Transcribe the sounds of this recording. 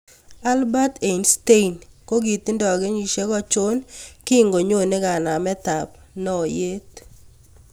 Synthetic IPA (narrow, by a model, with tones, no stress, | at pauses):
a˦lba˦t̪e˨inste˦i˨nko˦ɡi˨t̪ɪ˦ndɔ˨ɡe˦ɲi˨ʃe˦kɔ˦t͡ʃo˦nkɪ˦˨ŋɡo˨ɲo˦˨nɪ˦ɡa˨na˨mɛ˦t̪a˨p | nɔ˦˨je˦t̪̚